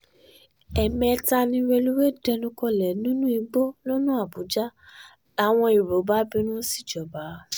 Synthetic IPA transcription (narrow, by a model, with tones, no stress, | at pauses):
ɛ˨mɛ̃˧˦ta˧nĩ˧ɾe˧lu˦we˦˨dɛ˧nũ˧˦kɔ˧lɛ˨nũ˦nũ˦i˧ɡ͡bo˦lo˦nũ˦a˦˨bu˨˦d͡ʒa˦ | la˨˦w̃ɔ̃˧i˨ɾo˨˦ba˨˦bĩ˧˦nũ˦si̥˦˨d͡ʒɔ˨ba˨˦